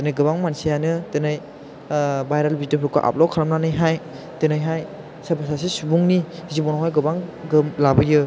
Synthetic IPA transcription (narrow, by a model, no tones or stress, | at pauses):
tɯnɯjɡɯbaŋmansijanɯtɯnɯj | bajɾalbitɯpʰɾuka̰ʔa̰p̚lɔkʰaɾamnanɯjɦaj | tɯnajɦaj | sabʰʱasas̬isubuŋnizibɔnaɦajɡɯbaŋɡɯmlabɯjɯ